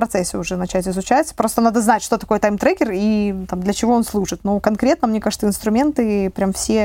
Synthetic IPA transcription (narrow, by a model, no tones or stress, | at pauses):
pɾɐt̪sɛsʲːɪʊʐɛnɐt͡ɕætʲɪzʊt͡ɕæjt̪sə̥pɾo̞st̪ənad̪əznatʲʂt̪o̞t̪ɐko̞jət̪ajmt̪ɾɛkʲɪrit̪amd̪lʲət͡ɕɪvo̞onslˠuʐɨt̪nokɐnkɾʲe̞t̪nəmnʲekaʐɨt̪əɪnst̪ɾʊmʲe̞nt̪ɨpɾʲamfsʲe